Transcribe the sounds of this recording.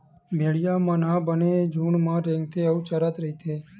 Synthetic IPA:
meɽijamãnabəned͡ʒuːɳmãɾɛ̃ŋɡ̚t̪ʰeəut͡ʃəɾat̪ɾəɦit̪ʰe

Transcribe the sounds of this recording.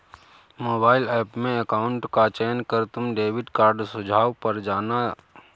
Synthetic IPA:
moːbaːɪlɛːpmẽɐkaːʊɳʈkat͡ʃeːnkɐɾt̪ʊmɖeːʋɪɖkaːɾɖsʊd͡ʒʱaːʋpɐɾd͡ʒaːna

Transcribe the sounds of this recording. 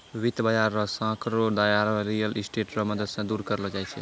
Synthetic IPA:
ʋit̪bad͡ʒaɾːɔsãkɾoɖ̪ajaɾɾijəlisʈeʈɾɔməd̪əd̪sãd̪uɾkəɾəld͡ʒajt͡ʃʰɛ̰

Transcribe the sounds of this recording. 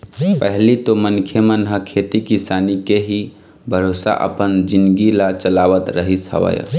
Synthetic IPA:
pəɦlit̪omənkʰjemənɦəkʰet̪ikisanikeɦi | bʱəɾosa̰ʔə̰pənd͡ʒinɡilat͡ʃəlaʋət̪ɾəɦisə̰ʋə̰j̰

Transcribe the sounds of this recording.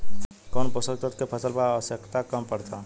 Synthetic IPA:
kɔːnpəsət̪ət̪kepʰəsəlpəɾaʋəsjəkt̪akəmpəɾt̪ʰa

